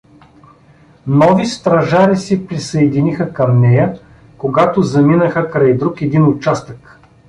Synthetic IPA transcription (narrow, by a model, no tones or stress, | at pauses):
nɔvist̪ɾɐʒaɾisipɾisɐɛd̪inixəkɐmnɛjə | koɡat̪ozɐminəxəkɾajd̪ɾukɛd̪inʊt͡ʃast̪ək